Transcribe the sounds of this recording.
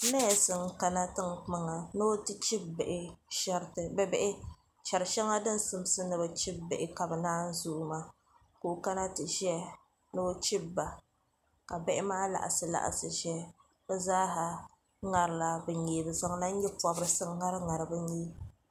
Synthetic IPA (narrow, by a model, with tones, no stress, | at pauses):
nɛ˦˨sɨ˨ŋka˦na˦tɨ˦ŋk͡pa˦ŋa˨no˦tɨ˦t͡ʃi˦bbɛ˨ʔɪ˦ʃɛ˦ɾtɨ˨bɛ˦bɛ˦ʔɪ˦ | t͡ʃɛ˨ɾɨ˨ʃɛ˦ŋa˦dɨ˦n˦sɨ˨m˦sɨ˦nɨ˨bɛ˨t͡ʃi˦bbɛ˨ʔɪ˨ka˨bɛ˨naː˦n̩˦zuː˦ʔmaː˦ | ko˨ka˦na˦tɨ˨ʒɛ˦ | noː˦t͡ʃi˦bːa˨ | ka˨bɛ˦ʔɪ˦maː˦la̰˨ʔa̰˨sɨ˨la̰˨ʔa̰˨sɨ˨ʒɛ˦ | bɛ˦zaː˦ɦa˨ | ŋa˨ɾɨ˨la˦bɛ˨ɲeː˨bɨ˨za˦ŋla˦n̩˦ɲɛ˦pɔ˨bɾɨ˨sɨ˦ŋː˦a˦ɾɨ˦ŋa˨ɾɨ˨bɨ˦ɲeː˦